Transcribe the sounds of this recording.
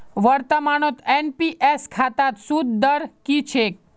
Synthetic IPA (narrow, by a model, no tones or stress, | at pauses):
ʋəɾt̪əmaɽ̃ot̪enpiʔeskʰat̪at̪sud̪ːəɾkit͡ʃʰek̚